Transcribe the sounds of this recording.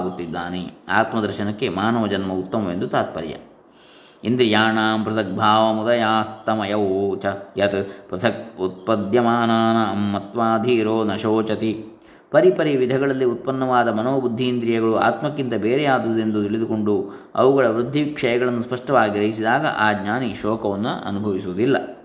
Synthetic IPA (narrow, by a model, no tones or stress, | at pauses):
aɡut̪ːid̪ːaːnea̰ːt̪mɐd̪ɐɾʃɐnɐkːe̞maːnɐʋɐd͡ʒɐnmɐut̪ːɐmɐʋend̪ut̪aːt̪̚pɐɾjɐ̰ | ind̪ɾijaːɳaːmpɾɐt̪ʰɐk̚bʱaːʋɐmud̪ɐjaːst̪ɐmɐjɐwt͡ʃɐjɐt̪ɐpɾɐt̪ʰɐk̚ut̪̚pɐd̪jɐmaːnaːnɐmːɐt̪ʋaːd̪ʱiːɾoːnɐʃoːt͡ʃɐt̪i | pɐɾipɐɾijɐʋid̪ʱɐɡɐɭɐlːiut̪̚pɐnːɐʋaːd̪ɐmɐnoːbud̪ʱːiːnd̪ɾijɐɡɐɭua̰ːt̪mɐkːint̪ɐbeːɾɛjaːd̪ud̪end̪ut̪iɭid̪uko̞ɳɖu | ɐ̰ʋuɡɐɭɐʋɾud̪ʱːiʋikʂɐjɐɡɐɭɐnːuspɐʂʈɐʋaːɡiɾɐɦisid̪aːɡɐ̰ʔaːɡɲaːniʃɔːkɐʋɐnːṵɐ̰nubʱɐʋisuʋud̪ilːɐ̰